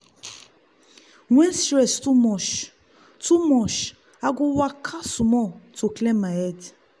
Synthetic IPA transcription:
wɛ̃nsɾɛstumɔʃ | tumɔʃ | aɡowakʰasumɔtoklɛmaɛd

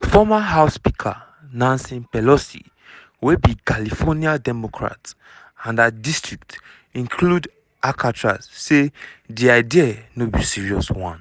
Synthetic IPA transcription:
fɔmaɦaʊspikʰa̰ | nãnsĩnpɛlɔsḭ | webikalifɔniadɛmɔkʰɹa̰t | ãndadistɹik̚t | ĩnkʰlud | akʰatʰɹa̰ssediaɪdianobisiɹiɔswɔ̰̃n

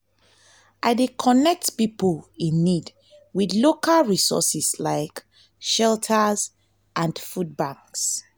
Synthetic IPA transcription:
ʔaɪdekʰɔnɛk̚tpiplĩnːid | widlokalɹisɔ̰sislaɪk | ʃɛltʰəz | ʔãnfud̚bãŋks

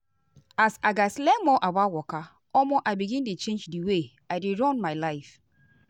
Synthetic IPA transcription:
asaɡaslɛmɔʔabawɔka | ɔmoʔaɪbiɡĩntut͡ʃẽnd͡ʒdiwe | adeɹɔ̃nmaɪlaɪf

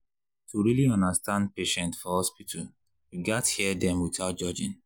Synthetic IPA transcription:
tʰuɹiliɔ̃ndəstãnd̚peʃɛ̃ntfɔhɔspitʰal | iɡathiɛdɛ̃mwiθaʊt̚d͡ʒɔd͡ʒɪ̃n

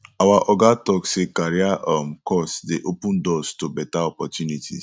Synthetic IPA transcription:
awaʔɔɡatɔksekaɾiaʔɔm̩kɔsdeʔopũndɔstobɛtaɔpɔtjunitʰḭ

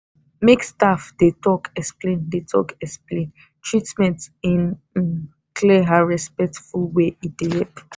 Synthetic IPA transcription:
mekstafd̥etʰɔkɛksplẽndetʰɔ̰kɛksplẽn | tʰɹitmɛ̃ntĩn | n | kʰlɛɦaɹɛspɛk̚tfulweid̥ehɛp

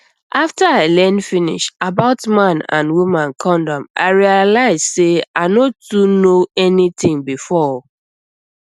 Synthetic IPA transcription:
ʔaftaaɪlɛ̃nfinḭʃabaʊtmãnã̰nwumãnkʰɔ̃ndɔ̃ma̰ɪɹialaɪzseanotunoɛnit̪ɪ̃ŋbifɔ

